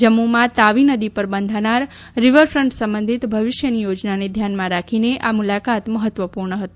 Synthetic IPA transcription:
d͡ʒəmːumãt̪aʋinəd̪ipəɾbənd̪ʱanaɾː | ɪʋəɾfɾəɳʈsə̃mbə̃nd̪ʱit̪bʱəʋɪʃjənijod͡ʒnaned̪ʱjanmãɾakʰineʔamulakat̪məɦət̪ʋəpuɾɳəɦət̪i

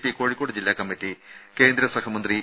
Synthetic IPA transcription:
pikoːɻikːoːɽɨd͡ʑilːaːkɐmːitːike̞ːnd̪ɾɐsɐhɐmɐnd̪ri

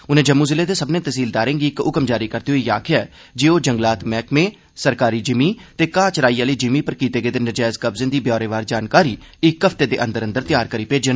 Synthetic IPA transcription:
ʊnẽːd͡ʒəmːuːzɪleːd̪eːsəbnẽːt̪əsiːld̪aːɾẽːɡiːkʊkəmd͡ʒaːɾiːkəɾt̪iːɦoiːjaːkʰɪjaɛː | d͡ʒeːoːd͡ʒəŋɡlaːt̪mɛːkmẽː | səɾkaːɾiːd͡ʒɪmiːt̪eːkãːt͡ʃɾaːiːãːləiːd͡ʒɪmiːpəɾkiːt̪eːɡeːd̪eːnəd͡ʒɛːzkəbzẽːd̪iːbjɔːɾeːʋaːɾd͡ʒaːnkaːɾiːɪkːəft̪eːd̪eːʔə̃nd̪əɾə̃nd̪əɾt̪ɪjaːɾkəɾiːpeːd͡ʒən

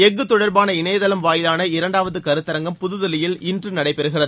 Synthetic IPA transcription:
ɛŋɡːɯt̪ːɔɽɐɾbaːnɐɪɳɐjɐðɐlɐmʋaːjɪlaːnɐɪɾɐɳɖaːʋɐðɯkɐɾɯt̪ːɐɾɐŋɡɐmpʊðɯðɐlɪjɪlɪndrɯnɐɽɐɪpɛɾɯɣɪrɐðɯ

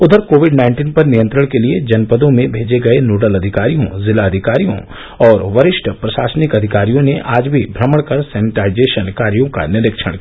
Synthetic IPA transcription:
ʊd̪ʱəɾkoːʋɪɖnãːɪ̃ɳʈiːnpɐɾnijə̃nt̪ɾəɽ̃kelied͡ʒɐnpəd̪õmẽbʱeːd͡ʒeɡɐenoːʈəlɐd̪ʱɪkaːɾijõ̰zɪlaɐd̪ʱɪkaːɾijõ̰ | ɔːɾʋɐɾɪʃʈʰpɾɐʃaːsnɪkɐd̪ʱɪkaːɾijõneʔʔaːd͡ʒbʱibʱɾɐməɽkɐɾsɛːnɪʈaːɪd͡ʒeːʃənkaːɾjõka̰nɪɾɪkʃə̰ɽ̃

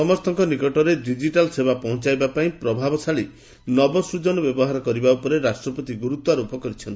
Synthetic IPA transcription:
sɔmɔst̪ʰɔŋkɔnikɔʈɔɾeɖid͡ʒiʈalsebapɔɦũt͡ʃajbapaĩpɾɔbʱabɔsaɭi | nɔbɔsɾud͡ʒɔnɔbjɔbɔɦaɾɔkɔɾibaupɔɾeɾasʈɾɔpɔt̪iɡuɾut̪waɾɔupɔkɔɾit͡ʃʰɔni

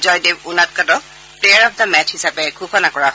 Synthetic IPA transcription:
zɔjdeunat̚katɔ | pleaɹɔp̚ʰdamɛt͡ʃʰhisapɛkʰuxɔnakɔɹaɦɔ

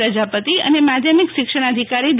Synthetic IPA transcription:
ɾəd͡ʒapət̪iə̰nemad̪ʱjəmikʃɪkʂəɽ̃əd̪ʱikaɾid̪

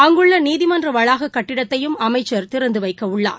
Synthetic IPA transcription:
ɐŋɡɯɭːɐniːðɪmɐndrɐʋɐɻaːɣɐkːɐʈːɪɽɐt̪ːɐjɯmɐmɐɪt͡ʃːɐɾt̪ɪɾɐnd̪ɯʋɐɪkːɐʊɭːa̰ːɾ

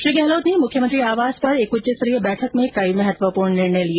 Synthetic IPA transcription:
ʃɾiːɡɛɦloːd̪nĩmʊkʰjəmənt̪ɾiaːʋaːzpɐɾekʊt͡ʃesəɾiːəbɛːʈʰəkmẽkɐimɛɦɛt̪ʋəpuːɾɳ̃nɪɽnelie

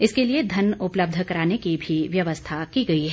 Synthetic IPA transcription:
ɪskelied̪ʱɐnʊpləb̚d̪ʱkɐɾaːnekibʱiʋjɐʋəst̪ʰakiɡɐiɦɛː

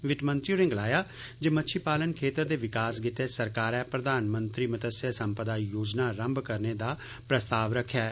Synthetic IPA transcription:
ʋɪʈmə̃nt̪ɾjuːɾɪ̃ŋɡlaːjaː | d͡ʒeːmətːʃʰiːpaːlənkʰeːt̪əɾd̪eːʋɪkaːsɡɪt̪eːsəɾkaːɾɛːpɾəd̪aːnmə̃nt̪ɾiːmət̪əsəsəmpəd̪aːjoːd͡ʒnaːɾə̃mbkəɾneːd̪aː | pɾəst̪aːʋɾəkʰːjaː

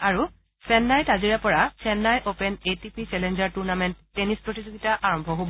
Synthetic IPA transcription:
aɹu | sɛnːajtaziɹɛpɔɹasɛnːajʔopɛnetipʰit͡ʃɛlɛnd͡ʒaɹtuɹnamɛntːenispɹotizoɡitaʔaɹɔmbʱɔɦobɔ

